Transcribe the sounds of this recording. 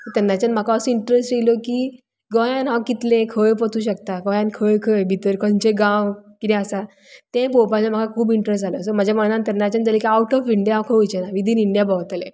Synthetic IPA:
kit̪əɾnːat͡ɕanm̤akaəsiɳʈɾesʈilokiː | ɡɔjãnɦãwkit̪lẽkʰəpət̪uːɕək̚t̪aɡɔ̃jãnkʰəkʰəbʱit̪əɾkɔ̃nt͡ɕẽɡãwkit̪ɛ̃əsa | t̪ẽpopat͡ɕam̤akʰakʰuːbiɳʈɾestd͡zaləːsɔm̤ad͡ʑaməɽ̃ant̪ənat͡ɕand͡zalekiawʈɔfiɳɖijaɦãwkʰəujt͡ɕenaʋid̪ʱiːniɳɖjabɔt̪lẽ

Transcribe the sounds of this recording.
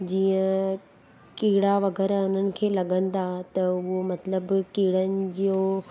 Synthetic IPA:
d͡ʑiːə̃ | kiːɽaʋɐɡɛːɾaʊn̤ənɪ̆kʰeːlɐɠə̃nɪ̆d̪at̪ɐʊɦomɐt̪ləbkiːɽənɪ̆d͡ʑijo

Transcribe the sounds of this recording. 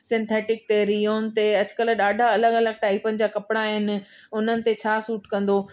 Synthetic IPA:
sɪ̃nt̪ʰeːʈɪk̚t̪eɾioːnt̪eɐd͡ʑʊkəlɗaːɖʱaɐləɡɐləɡ̚ʈaːipənɪ̆d͡ʑaːkɐpɽaɦɪnɪ̆ | ʊnənɪ̆t̪et͡ɕʰaːsuːʈkɐ̃nd̪oː

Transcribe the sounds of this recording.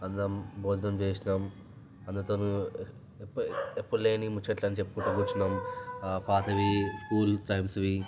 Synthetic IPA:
ɐnd̪ɐmbʱoːd̪ɐnɐmt͡ʃeːsinaːm | ɐnd̪ɐt̪oːnu | pːepːulːe̞ːnimut͡ʃːɐʈlɐnit͡ʃepːu̥kuʈːukut͡ʃːinaːmpʰaːt̪ʰɐʋiskuːlt̪ɾɐjbsɐʋi

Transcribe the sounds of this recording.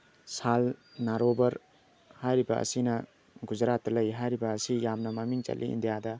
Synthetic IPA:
sal | naɾobɐɾ | hajɾibɐʔɐ̰sinɐ | ɡud͡ʒɾat̚ːɐlɐjɦajɾibɐːsijamnɐmɐmiŋt͡ʃɐ̰lʔḭḭndijadɐ

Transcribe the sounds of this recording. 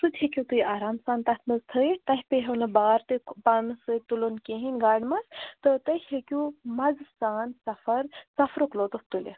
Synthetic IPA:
sud̪ʲhekʲut̪ujaɾaːmsaːnt̪at̪ʰnɐzt̪ʰəjt̪aɦʲpeɦewnɐbaːɾt̪ɨpanɨsət̪ulonkẽɦinʲɡaːɽmɐst̪ət̪əjhekʲumɐd͡zsaːnsɐfɐɾt͡sɐfɾoklot̪opt̪ulḛ

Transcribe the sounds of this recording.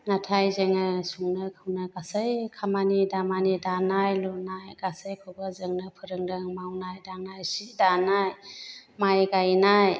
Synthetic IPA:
natʰajzeŋɯsuŋnɯkʰɯwnɯɡasəjkʰamanidamanidanajlɔnajɡ̥asəjkʰɯwbəzɯŋnɯpʰɯɾɯŋdɯŋmawnajdaŋnajsidanajmajɡajnaj

